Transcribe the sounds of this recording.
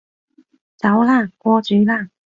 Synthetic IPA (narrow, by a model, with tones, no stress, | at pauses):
t͡sɑ˨˧˥ʊla˥˩kwɔ˥t͡ɕy˧˥la˥˩